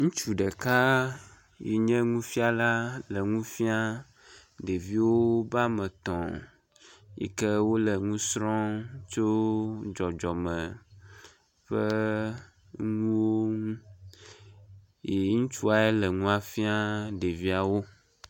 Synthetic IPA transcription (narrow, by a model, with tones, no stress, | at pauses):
ŋũ˦t͡ʃu˨ɖɛ˨ka˦ | je˨ɲɛ̃˦ŋũ˦fi˦a˦la˦lə˨ŋũ˦fi˦a˦ | ɖe˨vi˦wo˦ba˦mɛ̃˨t̪ɔ̰̃˨ | jḭ˦kɛ˦wo˦lə˨ŋũ˦sɾɔ̃˦t͡ʃo˦d͡ʒɔ˨d͡ʒɔ˨mɛ̃˨ | ɸə˦ | ŋũ˦wo˦ŋũ˦ | je˨˦ŋũ˦t͡ʃu˦a˨e˦lə˨ŋũ˦a˨fi˦a˦ɖe˨vi˦a˨wo˦